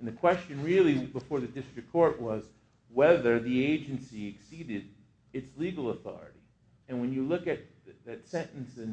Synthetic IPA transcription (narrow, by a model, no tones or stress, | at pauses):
n̩ðɨkʰw̥ɛst͡ʃɨ̃nɹɪlˠibəfɔɹðɨdɪstɹ̥ɨkʰɔɹʔwʌz | wɛðə˞ðieɪd͡ʒɨ̃nsiɨksiɾɪɾ | ɨtsliɡl̩ˠəθɔ̰ɹɨ̰ɾi | ɨ̃nwɨ̃njɨlʊkɨt̪̚ | ðɨtsɛ̃nʔn̩sɨ̃n